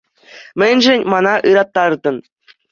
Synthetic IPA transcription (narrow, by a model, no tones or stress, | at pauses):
mʲɘ̆nʲʒɘ̆nʲmɑnɑʔɯɾɑt̪ːɑrd̪ɤ̆n